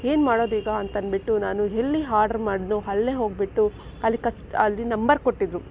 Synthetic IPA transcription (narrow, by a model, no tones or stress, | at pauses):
e̞ːnmaːɽoːd̪iːɡɐːnt̪ɐnbiʈːunaːnuɦelːiɦaːɾɖɐɾmaːɽnuɦɐɭːeɦo̞ːɡ̚biʈːu | ɐlːikɐsʈɐlːinɐmbɐɾkoʈːid̪ɾu